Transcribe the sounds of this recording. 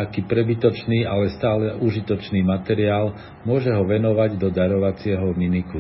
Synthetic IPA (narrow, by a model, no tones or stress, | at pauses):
akiːpɾɛbit̪ɔt͡ʃniːʔalɛst̪aːlɛʔuʒit̪ɔt͡ʃniːmat̪ɛɾiaːl | mʊɔʒɛɦɔʋɛnɔʋaɟd̪ɔd̪aɾɔʋat͡sɪɛɦɔminiku